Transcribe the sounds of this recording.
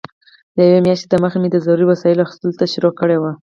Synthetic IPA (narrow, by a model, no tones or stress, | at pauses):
d̪əjawemjɑʃt̪e̥t̪əməxamed̪əzaɾuɾiwasɑjɪloaxi̥st̪əlot̪aʃɪɾɔkːəɽewa